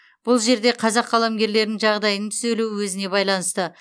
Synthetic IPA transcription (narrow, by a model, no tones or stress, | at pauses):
b̥ʊlˠʒe̞ɾd̪e̞qʰɑzɑqːɑlˠamɡʲe̞ɾle̞ɾd̪ɪŋʒɑʁd̪ɑjənəŋt̪ʰʏ̥zeluwɵzɪne̞bɑjlˠɑnəst̪ə